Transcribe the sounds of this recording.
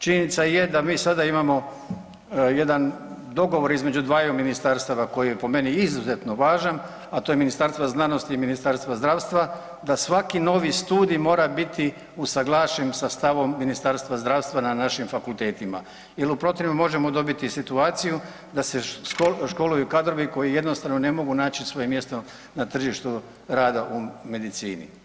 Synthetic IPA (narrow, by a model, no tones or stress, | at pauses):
t͡ʃiɲenit̪sajed̪amiːsad̪aimamo̞ | je̞d̪an | d̪o̞ɡo̞ʋo̞ɾizme̞d͡ʑud̪ʋaːjuminist̪aɾst̪aʋako̞jijepo̞me̞niizuzet̪no̞ʋaːʒan | at̪o̞ːjeminist̪aɾst̪vaznano̞st̪iːminist̪aɾst̪ʋazd̪ɾaːʋst̪ʋa | d̪asʋakino̞ːʋist̪uːd̪ijmo̞ːɾabit̪i | usaɡlˠaːʃemsast̪aʋo̞mːinist̪aɾst̪ʋazd̪ɾaːʋst̪ʋananaʃimfakulˠt̪e̞ːt̪ima̰ | jelupɾo̞t̪eimamo̞ʒe̞mo̞d̪o̞bit̪isit̪uaːt̪siju | d̪aseoʃko̞lujukad̪ɾo̞ʋiko̞jije̞d̪nost̪aʋnone̞mo̞ɡunaːt͡ɕisʋo̞jemje̞st̪o | nat̪r̩ʒiʃt̪u | ɾaːd̪aʔume̞d̪it̪siːnḭ